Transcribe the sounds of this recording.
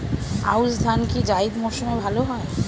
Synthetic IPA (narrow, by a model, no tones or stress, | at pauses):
a̰wsd̪ʱankid͡ʑaid̪mɔʃumebʱaloɦɔe